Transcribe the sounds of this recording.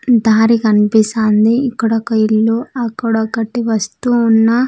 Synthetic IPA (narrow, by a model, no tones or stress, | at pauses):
d̪ʱaːɾikɐnipisaːnd̪iːkːuɽɐkɐilːoːɐkːuɽɐkɐʈːiʋɐst̪uːnːɐ